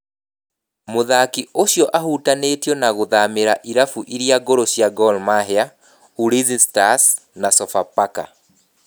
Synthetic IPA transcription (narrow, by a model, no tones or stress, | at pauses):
moðakioɕjɔʔaɦutaneːtjɔnaɣoðameɾaʔiɾafuʔiɾiaɡoɾoɕjaɡɔlmaɦea | uɾizistasnasɔfapaka̰